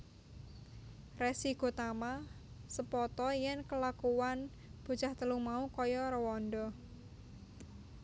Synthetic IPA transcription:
resiɡo̤t̪ama | səpɔt̪ɔjɛnkəlakuwan | b̥ṳ̥d͡ʒaht̪əlumaukɔjɔɾəwɔnɖɔ

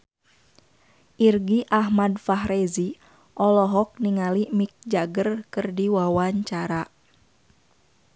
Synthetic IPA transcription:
ʔirɡiʔaɦmadfaɦɾezi | ʔɔlɔɦɔk̚niŋalimik̚d͡ʒaɡərkɨrdiwawaɲt͡ʃaɾa

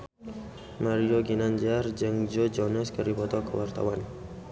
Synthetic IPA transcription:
maɾioɡinand͡ʒard͡ʒəŋd͡ʒod͡ʒɔnɔskəɾibɔt̪ɔkəwart̪a̰wan

